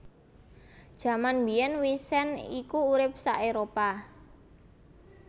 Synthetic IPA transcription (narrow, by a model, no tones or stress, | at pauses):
d̥ʒ̥a̤manbijɛnwisɛnikuːɾɪp̚saʔeɾopa